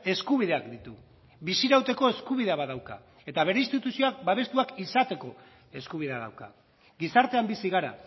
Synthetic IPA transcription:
e̞skuβ̞iðe̞akd̪it̪u | bisiɾawt̪e̞ko̞e̞skuβ̞iðeaβaðawka̰ | e̞t̪aβ̞e̞ɾe̞inst̪it̪usio̞ak̚baβ̞e̞st̪uakisat̪e̞ko̞ | e̞skuβ̞iðe̞aða̰wka̰ | ɡisaɾt̪e̞ambisiɣaɾa̰

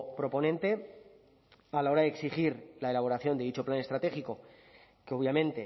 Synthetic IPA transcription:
pɾo̞po̞nẽ̞nt̪e̞ | alao̞ɾaðe̞ksiχiɾlae̞laβ̞o̞ɾaθjo̞nd̪eit͡ʃo̞plane̞st̪ɾat̪e̞xiko̞ | keo̞βjamẽ̞nt̪e̞

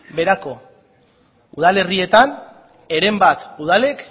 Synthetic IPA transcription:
be̞ɾako̞ | uð̞ale̞rie̞t̪an | e̞ɾe̞mbat̪uð̞ale̞k

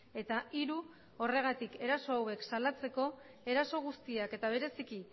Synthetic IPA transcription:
e̞t̪aiɾu | o̞re̞ɣ̞at̪ike̞ɾaso̞awe̞ksalat͡se̞ko̞ | e̞ɾaso̞ɣ̞ust̪iake̞t̪aβ̞e̞ɾe̞siki

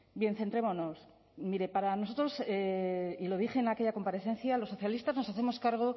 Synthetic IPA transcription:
bje̞nθe̞nt̪ɾemo̞no̞s | miɾe̞paɾano̞so̞t̪ɾo̞seilo̞ðixe̞ːnakeʎako̞mpaɾe̞θe̞nθjalo̞sːo̞θjalist̪azno̞saθe̞mo̞skaɾɣ̞o̞

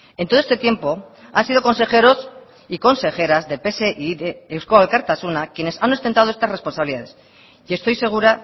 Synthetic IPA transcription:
ent̪oest̪e̞t̪je̞mpo̞ansið̞o̞ko̞nse̞xe̞ɾo̞s | iko̞nse̞xe̞ɾazðe̞pe̞seʔiðeeskoalkaɾt̪asunakje̞ne̞sano̞st̪ent̪að̞oest̪asre̞spo̞nsaβiliðaðe̞s | ie̞st̪o̞jse̞ɣ̞uɾa

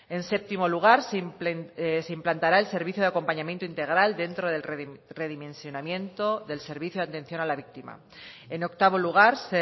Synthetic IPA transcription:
e̞nse̞p̚t̪imo̞luɣ̞aɾs | seimplant̪aɾaelse̞ɾβiθjoðako̞mpaɲamje̞nt̪oint̪e̞ɣ̞ɾald̪e̞nt̪ɾo̞ðere̞ðimẽ̞nsjo̞namjẽ̞nt̪oðe̞lse̞ɾβiθjoant̪e̞n̟θjo̞nalaβik̚t̪ima̰ | e̞no̞kt̪aβ̞o̞luɣ̞aɾse

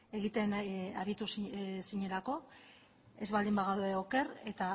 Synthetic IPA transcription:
e̞ɣit̪enaɾit̪ussiɲe̞lako̞ | e̞zβald̪imbaɣ̞awðeoke̞ɾe̞t̪a

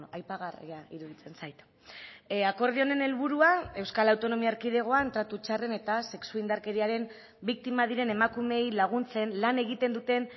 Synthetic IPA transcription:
ajpaɣarḛaiɾuðit͡se̞nsajt̪ | ako̞ɾð̞io̞ne̞ne̞lβuɾuae̞wskalawt̪o̞no̞miaɾkið̞e̞ɣ̞o̞aent̪ɾat̪ut͡ʃare̞ne̞t̪ase̞ksuind̪aɾke̞ɾiaɾe̞m | bik̚t̪imað̞iɾe̞nemakume̞jlaɣ̞unt͡se̞nlane̞ɣ̞it̪e̞nd̪ut̪e̞n

